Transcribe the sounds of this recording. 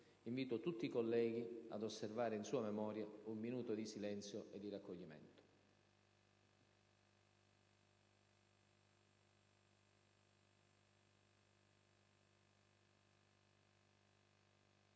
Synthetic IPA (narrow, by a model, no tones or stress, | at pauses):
iɱviːt̪ot̪ut̪ːikolːɛːɡ̟ia̰d̪osːervaːɾeinsuːamemɔːɾjaumminuːt̪od̪isilɛnt̪sjoʔed̪ːirakːoʎːimɛ̰nt̪o̥